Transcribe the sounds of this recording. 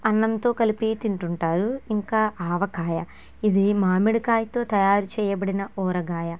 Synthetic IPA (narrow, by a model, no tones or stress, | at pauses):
ɐnːɐnt̪o̞ːkɐlipit̪iɳʈuɳʈaːɾuiŋkaːʔaːʋɐkaːjɐ | id̪imaːmiɽikaːjt̪o̞ːt̪ɐjaːɾut͡ʃɛːjɐbɐɽinɐʔɔːɾɐɡaːjɐ